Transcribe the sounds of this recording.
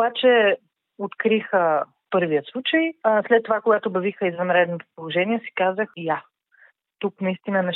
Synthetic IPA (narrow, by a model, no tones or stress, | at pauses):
bat͡ʃɛ | ot̪kɾixə | pɤɾvijəslˠut͡ʃəjslɛt̪ːovakoɡat̪obɐvixəizvɐnɾɛd̪not̪o̥polˠoʒɛniɛsi̥kazəxja | t̪uknɐist̪inənɛ